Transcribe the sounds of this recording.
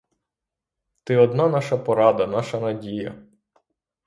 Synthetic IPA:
t̪ɪɔd̪nɑnɑʃɐpɔɾɑd̪ɐnɑʃɐnɐdʲijɐ̰

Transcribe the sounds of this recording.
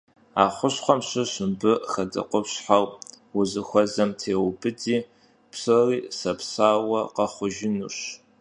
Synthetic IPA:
aːχʷʊɕχʷɔmɕɪɕɨmbɨxɐdɐ̰qʷɔpɕħaw | wʊzɨxʷɔzɐmtʰeːwbɨdiː | psɨriːsɐpsaːwɐqɐχʷʊʒɪnuɕ

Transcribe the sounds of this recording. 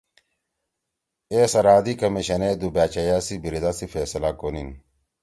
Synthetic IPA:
esɐɾaːd̪ikɐmiɕɐned̪ubaːt͡ɕɐjaːsibiɾid̪asifeːsɐlakonin

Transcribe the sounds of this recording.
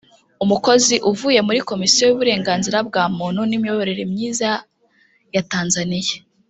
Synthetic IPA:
umuko̞ziʔuvuːje̞muɾiko̞misijojuβuɾe̞ːŋɡaːnziɾabɡaːmuːnhunimijoβoɾe̞ɾemɲiːza | jataːnzanija

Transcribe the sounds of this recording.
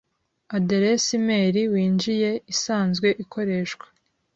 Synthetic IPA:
adeɾesime̞ːɾiwiːnd͡ʒije̞isaːnzɡwe̞ʔikʰo̞ɾe̞ːʃkwḁ

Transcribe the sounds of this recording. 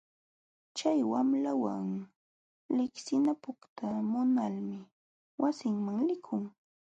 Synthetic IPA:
t͡ʃajwamlawa̰ŋ | lɪksɪnapʊkt̪amʊnalmɪ | wasɪŋmaŋlɪkʰʊŋ

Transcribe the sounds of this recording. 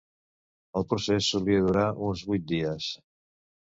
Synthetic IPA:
əlˠpɾusɛsuliəðuɾaʔunzβujt̪̚d̪iəs

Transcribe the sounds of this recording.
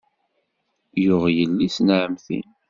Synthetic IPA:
jʊʁjəlːisnʕəmθḭn

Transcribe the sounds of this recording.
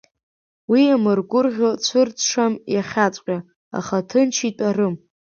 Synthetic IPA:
wiamɨrɡʷʊrʁʲot͡ɕʷʰɨrt͡sʷʰʂamjaχʲat͡sʷʼqʲʼa | a̰χatʰɨnt͡ʃʰitʼarɨm

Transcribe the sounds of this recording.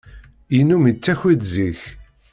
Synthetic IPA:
inːumit͡sːæçiðziç

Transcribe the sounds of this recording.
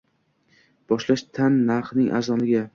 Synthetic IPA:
b̥ɒʃlaʃt̪ʰanːaɾχnɪŋʔa̰zɒnlɪɡʲa

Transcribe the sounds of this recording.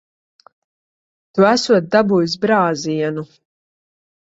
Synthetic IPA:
t̪uæsuɔt̪̚d̪abujus̬bɾaːziɛnu

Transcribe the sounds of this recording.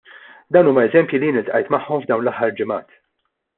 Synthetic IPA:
d̪ɐwnuːmɐɛzɛmpjilijɪːnɪlt̪ʔɐjt̪mɐħːɔmvd̪ɐwnlɐħːɐɾd͡ʒɪmɐ̰ːt̪

